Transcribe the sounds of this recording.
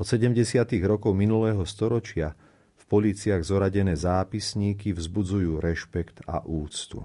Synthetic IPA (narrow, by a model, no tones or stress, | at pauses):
ɔt̪sɛɟɛmɟɛsɪat̪iɣɾɔkɔʊminulɛːɦɔst̪ɔɾɔt͡ʃɪa | fpɔliːt͡siaɣzɔɾaɟɛnɛːzaːpisɲiːkivzbud͡zujuːɾɛʃpɛkt̪a̰ʔuːt͡st̪ṵ